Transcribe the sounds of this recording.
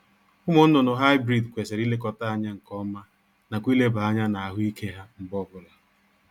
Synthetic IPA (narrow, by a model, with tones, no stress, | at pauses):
ʊ˦mʊ˦n̩˦nʊ˨nʊ˨ɦa˦ɪ˦bɾi˦˨dkʷe˨se˨ɾi˦le˦kɔ˨ta˦a˦ɲa˦ŋ̩˨kɔ˦ma˦ | na˨kʷi˦le˦ba˨a˦ɲa˦na˨a˨ɦʊ˦i˦kʰe˦ɦa˦m̩˨bɔ˦bʊ˨la˨